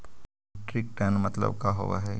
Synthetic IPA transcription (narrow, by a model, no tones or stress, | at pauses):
ʈɾɪk̚ʈənmɐt̪lə̰bkaɦo̰ʋa̰ɦɛː